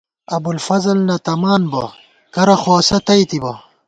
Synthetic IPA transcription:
ɐbulfɐzɐlnɐt̪ɐmaːnbɐ̰ | kɐɾɐxwaːsɐt̪ɐjt̪ibɐ

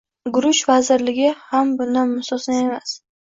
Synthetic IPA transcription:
ɡʊɾʊʃvazɪɾlɪɡʲɪhambʊnd̪anmʊsɒsnaemas

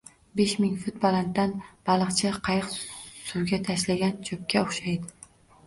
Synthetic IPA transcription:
beʃmɪŋfʊt̪̚bɒlˠant̪ːanb̥ɑlˠɨqt͡ʃʰɪqʰɑjɨqsʊwɡʲat̪ʰaʃlaɡʲant͡ʃʰɵp̚kʲaoχʃajd̪ɪ

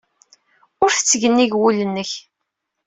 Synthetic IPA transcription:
ʊɾfə̥t͡sːəʝənːiʝwulənːəç

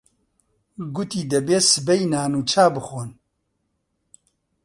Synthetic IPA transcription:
ɡʊt̪iːd̪ɛbeːsɨbɛjnaːnuːt͡ʃʰaːbɨxoːn

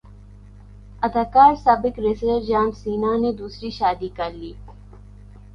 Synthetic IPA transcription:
ɐd̪aːkaːɾsaːbɪkɾesəɾd͡ʒaːmsiːnaned̪uːsɾiʃaːd̪ikɐɾliː

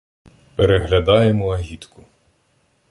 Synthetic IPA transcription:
peɾeɦlʲɐd̪ɑjemɔɐɦʲit̪kʊ

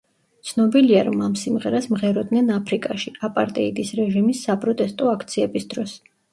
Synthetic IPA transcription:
t̪sʰnɔbiliaɾɔmamsimʁɛɾasmʁɛɾɔd̪nɛnapʰɾikʼaʃiapʼaɾt̪ʼɛid̪isɾɛʒimisːapʼɾɔt̪ʼɛst̪ʼɔakʰt̪sʰiɛbisd̪ɾɔs

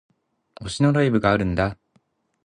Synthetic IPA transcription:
o̞ɕino̞ɾaibɯ̟ɡaːɾɯ̟̃nd̪a

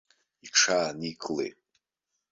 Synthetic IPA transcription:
iʈ͡ʂʰaːnikʼlḛj

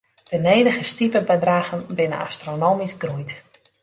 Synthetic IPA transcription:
d̥əneːdəɣəstipəbədraːɣənbɪnə̰na̰stronoːmisɡrujt

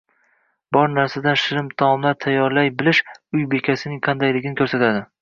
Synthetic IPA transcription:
bɒɾnaɾsad̪anʃɪɾɪmt̪ʰamlaɾt̪ʰajːɒɾlajbɪlɪʃʊjbekʲʰasɪnɪŋqʰɑnd̪ajlɪɡʲɪnɪkʰɵɾsat̪ʰad̪ɪ

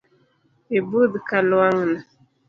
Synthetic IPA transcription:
ebudɨkalʊwaŋəna

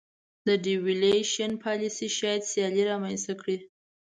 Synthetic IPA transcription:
d̪əɖiwileʃanpʰɑlisiʃɑjad̪sjɑliɾɑmanst̪akɽi

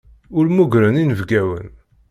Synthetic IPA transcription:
ʊɾmuɡɾəninəvɡæwə̰n

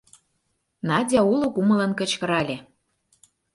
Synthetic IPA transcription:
nɑdʲɑulokumə̆lɤ̆nkə̆t͡ɕkə̆ɾɑlʲe

